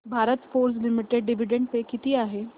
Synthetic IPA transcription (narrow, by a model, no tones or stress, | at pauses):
bʱaːɾət̪foːɾs̬lɪmɪʈeɖɖɪʋɪɖə̃ɳɖpekɪt̪iaːɦeː